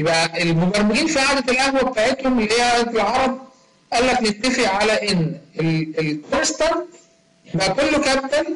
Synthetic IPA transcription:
jebʔæelmobæɾˤmɪɡiːnfiʕaːd̪æt̪elʔæhwæbet̪aʕet̪homelːiheːʕaːd̪æt̪elʕɑɾˤɑb̪̚ | ʔælːæklet̪ːæfiʕʕalæʔenːelelkoɾst̪æn | jebʔækolːokæb̚t̪æl

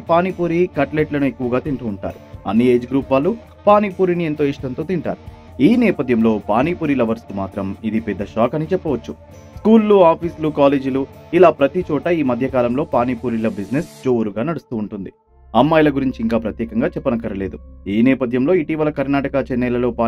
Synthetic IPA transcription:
paːnipuːɾikɐʈleːʈlɐnue̞kːuʋɐɡaːt̪iɳʈuːɳʈa̰ːɾuɐ̰nːie̞ːd͡ʒɡɾuːpʋaːlːu | paːnipuːɾinie̞nt̪o̞ːiʂʈɐnt̪o̞ːt̪iɳʈa̰ːɾu | iːnɛːpɐd̪ʱjɐmlo̞ːpaːnipuːɾilɐʋɐɾsk̪umaːt̪ɾɐmid̪ipɛd̪ːɐʃaːkɐnit͡ʃɛpːɐʋɐt͡ʃːu | skuːlːuaːpʰiːslukaːleːd͡ʒuluilaːpɾɐt̪it͡ʃɔːʈɐiːmɐd̪ʱjɐkaːlɐmlo̞ːpaːnipuːɾilɐbid͡ʒne̞sd͡ʒoːuɾuɡaːnɐɽust̪uːɳʈund̪i | ɐmːɐjlɐɡuɾiɲt͡ʃiːŋkaːpɾɐt̪jɛːkɐŋɡaːt͡ʃɛpːɐnɐkɐɾɐle̞ːd̪uiːnɛːpɐd̪ʱjɐmlo̞ːiʈiːʋɐlɐkɐɾnaːʈɐkɐt͡ʃɛnːɛːlɐlo̞ːpaː

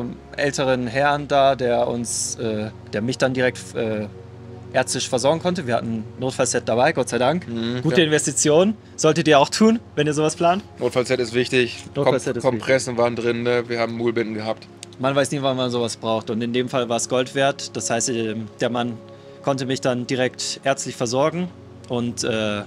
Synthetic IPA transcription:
ʔɛ̰ltʰəʁənɦɛɐəndaːdeːɐʔʊ̰nsʔɛːd̥eːɐmɪçd̥andiːʁɛk̚tʔɛː | ʔeːɐt͡stɪʃfɛɐzɔɐɡŋ̩kʰɔntəviːɐhatn̩noːtfalsɛt̚d̥abaɪɡɔtz̥aɪdaŋkɡuːtəɪnvɛstit͡sjoːn | z̥ɔltətdiːɐaʊxtʰuːnvɛniːɐzoːvaspʰl̥aːntnoːtfalsɛtɪstv̥ɪçtɪçnoːtkɔfalsɛtɪskɔmpʁ̥ɛsn̩vaːɐndʁɪnːəviːɐhaːbm̩mːuːlbɪtn̩ɡəhap̚t | manvaɪsniːvanmanzoːvasb̥ʁaʊxtʊntɪndeːmfalvaːɐsɡ̥ɔltv̥eːɐtd̥ashaɪstːmd̥eːɐman | kʰɔntəmɪçd̥andiːʁ̞ɛktʔeːɐt͡stlɪçfɛɐzɔɐɡŋ̩ | ʔʊntʔɛː

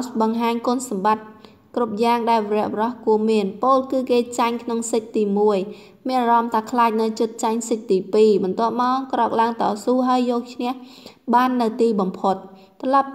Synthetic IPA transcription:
sɓɑŋɦaːɲkŏənsɑmɓat̪̚ | krup̚jaːŋɗaɛlʋeɾɛ̆əʔʋrɑhkuəmiənpoːlkɨːkeːt͡ɕaɲkʰnoŋsɨk̚t̪iːmuəj | miənarɑmt̪ʰaːkʰlaːc̚nɨwt͡ɕɨt̪̚t͡ɕaɲsɨk̚t̪iːpiːɓɑnt̪ŏəp̚maɔkrɑk̚laəŋt̪ɑːsuːɦaəjːɔːk̚t͡ɕʰnɛ̆əhɓaːnːɨwt̪iːɓɑmpʰot̪̚ː | rɑlɑp̚

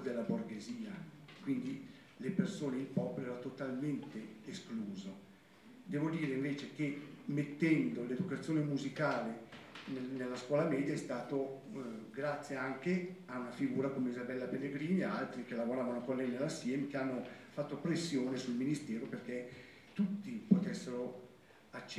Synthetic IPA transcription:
d̪elːaborɡeziːakwind̪i | lepersoːneilpɔːpoloɛːɾat̪ot̪alment̪eeskluːzo | d̪ɛːvod̪iːɾeiɱveːt͡ʃek̟emet̪ːɛnd̪oled̪ukat̪sːjoːnemuzikaːlenenelːaskwɔːlamɛːd̪jaɛst̪aːt̪o | ɡɾat̪sːjeaŋkeaunafiɡuːɾakomeizabɛlːapelːeɡɾiːniaalt̪ɾik̟elːavoɾaːvanokonlɛjnelːasːjɛmek̟eanːofat̪ːopɾesːjoːnesulminist̪ɛːɾoperk̟e | t̪ut̪ːipot̪ɛsːeɾo | at͡ʃː

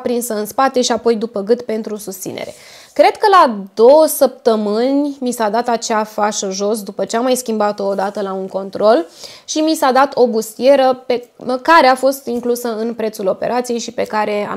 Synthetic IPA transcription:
pɾinsəɨnspat̪e̞ʃiapo̞jd̪upəɡɨt̪pe̞nt̪ɾusust̪sḭnḛɾe̞̰ | kɾe̞d̪̥kəlad̪o̞wəsəp̚t̪əmɨnʲmisad̪at̪at͡ʃeafaʃəʒo̞s̬d̪upət͡ʃeamːajskʲimbat̪oːd̪at̪əlauŋko̞nt̪ɾo̞lʃimisad̪at̪ʰo̞bust̪ie̞ɾəpe̞kaɾe̞afo̞st̪iŋklusəɨnpɾe̞t̪sulo̞pe̞̰ɾʔat̪sije̞jʃipe̞kaɾe̞a̰

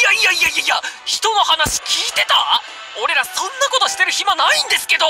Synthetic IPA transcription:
ijaiaijaiaijaçi̥t̪o̞no̞hanaɕi̥kʲiːt̪e̞t̪a | o̞ɾe̞ɾasõ̞nːako̞t̪o̞ɕi̥t̪e̞ɾɯ̟çimanaĩnd̪e̞sɨ̥ke̞d̪o̞

